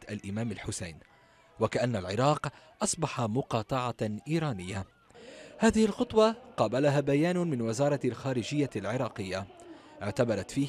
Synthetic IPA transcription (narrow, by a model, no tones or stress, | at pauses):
ʔalʔɪmaːmalħʊsa̰jn | wakaʔanːalʕɪɾˤɑːqʔɑsˤbɑħɑmʊqɑːt̪ˤɑʕɑʔiːɾˤɑːnɪjːa | haːðɪhɪlxʊt̪ˤwɑqɑːbalaɦaːbajaːnmɪnwɪzɑːɾˤɑlxaːɾɪd͡ʒɪjːalʕɪɾˤɑːqɪjːa | ʔɪʕt̪abɑɾˤɑt̪fiː